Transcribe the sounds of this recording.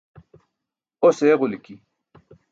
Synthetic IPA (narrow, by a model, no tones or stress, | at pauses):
oseːʁʊlki